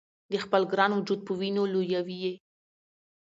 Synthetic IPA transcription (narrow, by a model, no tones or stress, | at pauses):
d̪əxpəlɡɾɑnwʊd͡ʒud̪̚pəwinolojawije